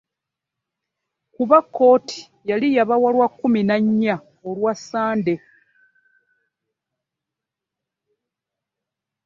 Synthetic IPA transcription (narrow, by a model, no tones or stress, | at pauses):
kuβakːo̞ːtʰi̥ | jalijaβawalwakːuminaɲːa | olwasːaːnde̞